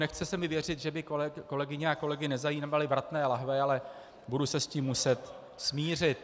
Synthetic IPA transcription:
nɛxt͡sɛsɛmɪvjɛr̝ɪt̪ʒɛbɪkoko̞lɛɡɪɲɛako̞lɛɡɪnɛzajiːalɪbɾat̪nɛːlaɦvɛalɛ | budʊsɛsciːmːusɛt̪ | smiːr̝ɪt̪

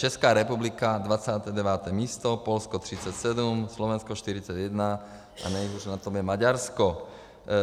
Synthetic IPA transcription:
t͡ʃɛskaːɾɛpublikad̪ʋat͡sat̪ɛd̪ɛʋaːt̪ɛːmist̪ɔpɔlskɔt̪ɾit͡sacsɛd̪umslɔʋɛnskɔʃt̪iɾit͡saɟjɛd̪na | ʔa̰nɛiɦuʒnat̪ɔmjɛmaɟaɾskɔ

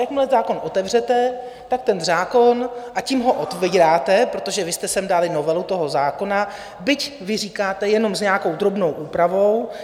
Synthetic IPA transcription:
jakmlɛzaːko̞nʔo̞t̪ɛvr̝ɛt̪ɛ | t̪ak̚t̪ɛnzaːko̞nʔaciːmɦo̞ʔot̪viːɾaːt̪ɛpɾo̞t̪o̞ʒɛvɪst̪ɛsɛmdalɪno̞vɛlut̪o̞ɦo̞zaːko̞na | bɪcvɪr̝iːkaːt̪ɛjɛno̞mzɲɛako̞wd̪ɾo̞bno̞wʔuːpɾavo̞w

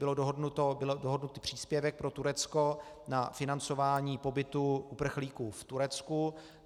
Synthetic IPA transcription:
bɪlodoɦodnut̪obɪlodoɦodnut̪ipr̥iːspjɛvɛk̚pɾo̞t̪uɾɛt͡sko̞ | nafɪnant͡so̞vaːɲiːpo̞bɪt̪uʔupr̩xliːkuːft̪uɾɛt͡sku

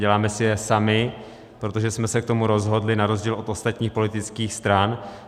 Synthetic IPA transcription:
ɛlaːmɛsɪjɛsamɪ | pɾot̪oʒɛsmɛsɛk̚t̪o̞muɾo̞zɦo̞dlɪnaɾozɟiːlʔo̞t̪o̞st̪at̪ɲiːxpo̞lɪt̪ɪt͡skiːxst̪ɾan

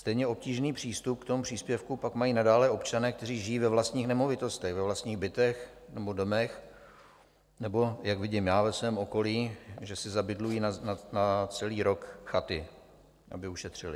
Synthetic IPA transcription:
st̪ɛjɲɛo̞p̚ciːʒniːpr̝̥iːst̪upkt̪omupr̥iːspjɛfkupakmajiːnadaːlɛo̞pt͡ʃanɛːk̚t̪ɛriːʒɪjiːvɛvlast̪ɲiːxnɛmo̞vɪt̪o̞st̪ɛɣvɛvlast̪ɲiːɣbɪt̪ɛxnɛbo̞domɛx | nɛbo̞jakvɪɟɪmjaːvɛsvɛːmo̞ko̞liːʒɛsɪzabɪdlujiːnananat͡sɛliːɾo̞kxat̪ɪ | ʔa̰bɪuʃɛt̪r̝̥ɪlɪ

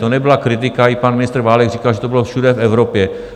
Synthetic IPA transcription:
t̪onɛbɪlakɾɪt̪ɪkaipanmɪnɪst̪ɾ̩vaːlɛɡriːkalʒɛt̪obɪlofʃudɛfɛvɾopjɛ

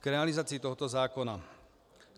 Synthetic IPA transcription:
kɾɛalizaːt͡siːt̪ɔɦɔt̪ɔzaːkɔna

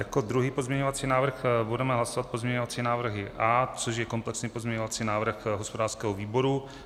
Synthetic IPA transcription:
jako̞d̪ɾuɦiːpo̞zmɲɛɲovat͡siːnaːvr̩xbudɛmɛɦlasovat̪̚po̞zmɲɛɲovat͡siːnaːvr̩ɦɪʔaːt͡soʃjɛko̞mplɛksɲiːpozmɲɛɲovat͡siːnaːvr̩xɦospodaːrskɛːɦoviːbo̞ɾu

